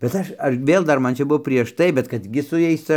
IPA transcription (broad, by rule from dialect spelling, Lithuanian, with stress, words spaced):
bʲɛt ˈɐʃ ˈɐʃ ˈʋʲeːlˠ ˈdɐr ˈmɐn t͡ʃʲɛ ˈbuɔ pʲrʲiɛʃ ˈtɐɪ bʲɛt ˈkɐt ɡʲɪ sʊ ˈjɛɪs ˈt͡sɐ